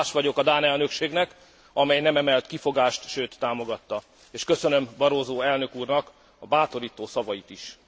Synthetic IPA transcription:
ʃʋɒɟo̞kɒd̪aːnɛlnøkʃeːɡnɛk | ɒmɛjnɛmɛmɛlt̪kifo̞ɡaːʃt̪ʃøːt̪ːaːmo̞ɡɒt̪ːɒ | eːʃkøsø̞nø̞mbɒɾoːzoːɛlnø̞kuːrnɒk | ɒbaːt̪o̞ɾiːt̪oːsɒvɒjit̪iʃ

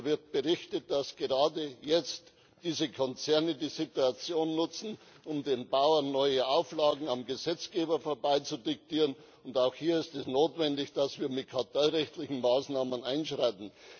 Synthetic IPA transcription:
vɪɐt̚b̥əʁɪçtət̚d̥asɡ̥əʁaːdəjɛt͡st | d̥iːzəkʰɔnt͡sɛɐnədiːzɪtuat͡sjoːnːʊt͡sn̩ | ʊmdeːnbaʊɐnːɔʏəʔaʊflaːɡŋ̩amɡəzɛt͡sɡ̥eːbɐfoːɐbaɪt͡sudɪk̚tiːʁən | ʊndaʊxhiːɐɪstɛsnoːtv̥ɛndɪçd̥asv̥iːɐmɪt̚kʰatʰalʁɛçtlɪçn̩maːsnaːmənaɪnʃʁaɪtn̩

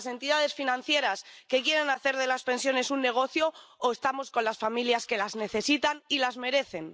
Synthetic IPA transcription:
se̞nt̪iðað̞e̞sfinãn̟θje̞ɾaske̞kjeɾe̞naθe̞ɾðelaspe̞nsjo̞ne̞sunːe̞ɣ̞o̞θjo̞ːest̪amo̞sko̞nlasfamiljaske̞lazne̞θe̞sit̪anilazme̞ɾe̞θe̞n

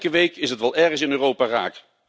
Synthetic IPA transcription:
kəʋejkɪsɦətʋɛlˠɛɹχəsɪnøːrowpaːra̰ːk

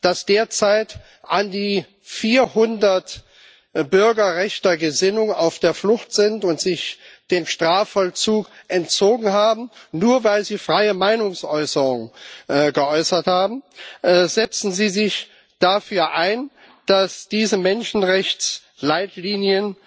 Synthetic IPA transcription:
d̥asd̥eːɐt͡saɪt | ʔandiː | fiːɐhʊndɐt | bʏɐɡɐʁɛçtɐɡəzɪnʊŋa̰ʊfd̥eːɐflʊxtz̥ɪntʊntz̥ɪçd̥eːmʃtʁ̥aːfɔlt͡suːkʔɛntt͡soːɡŋ̩ɦaːbm̩nuːɐvaɪlziːfʁ̥aɪəmaɪnʊŋsʔɔʏsəʁʊŋɡəʔɔʏsɐthaːbm̩ʔzɛt͡sn̩ziːzɪç | d̥afyːɐʔaɪn | d̥asd̥iːzəmɛnʃn̩ʁɛçt͡s | laɪtliːnjən

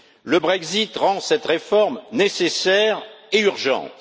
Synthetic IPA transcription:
ləbʁɛɡzit̪ʁɑ̃sɛt̪ʁefɔʁmnesesɛʁeyʁʒɑ̰̃t̪

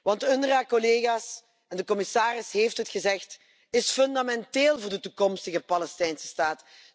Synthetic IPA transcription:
ʋɑntɵndərakɔleːɣaːs | ɛndəkɔmɪsaːrɪsɦeːftɦətxəzɛxt | ɪsfɵndamɛnteːlˠvʊːrdətukɔmstəɣəpalɛstɛjnsə̥staːt

